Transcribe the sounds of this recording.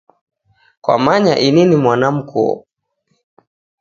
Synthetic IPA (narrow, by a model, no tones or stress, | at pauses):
kwa̰maɲaʔininimwanam̩kuɔ̰